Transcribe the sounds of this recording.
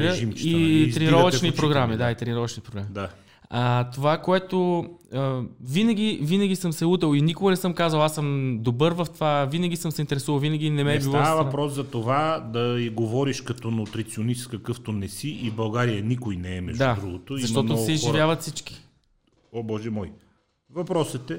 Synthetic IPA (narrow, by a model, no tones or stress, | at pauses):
ʒimit̪ɾɛniɾɔvəʃnipɾoɡɾamid̪ait̪ɾɛniɾɔvət͡ʃnipɾoɡɾamid̪a | at̪ovakoɛt̪oəvinəɡ̟ivinəɡʲisəmsɛut̪̬ɛlˠinikoɡɐnɛsɤmkazvɐlˠasəmd̪obɤɾvɐft̪ovavinəɡ̟ʲisɤmsɛint̪ɛɾɛsuvəlˠvinəɡinɛmɛbilˠɔavɐpɾɔszɐt̪ovad̪ɐiɡovɔɾiʃkɐt̪ɔnʊt̪ɾit̪sionist̪kɐkɤft̪onɛsiʔibɐlˠɡaɾijənikojnɛɛmɛʒd̪aud̪ɾuɡot̪oziɐʃmt̪ɔt̪osɛizʒivjavəɐt̪fsit͡ʃki̥ | obɔʒɛmɔj | vɐpɾɔsɛt̪ɛ